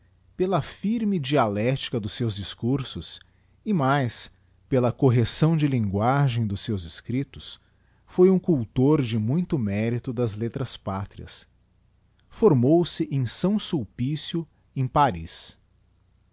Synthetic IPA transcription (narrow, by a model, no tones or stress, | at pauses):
pelɐfiɾmɪd͡ʒialɛt͡ʃi̥kɐd̪ʊsːewzd͡ʒiskuɾsʊs | ɪmajs | pelɐkoɦesɐ̃w̃d͡ʒɪlĩŋɡwaʒẽj̃d̪ʊsːewzɪskɾit̪ʊs | fojũkuwt̪oɾd͡ʒɪmũj̃t̪ʊmɛɾit̪ʊd̪ɐzlet̪ɾɐspat̪ɾiɐ̰s | foɾmowsɪʔẽj̃sɐ̃w̃suwpisjʊ | ẽpaɾḭs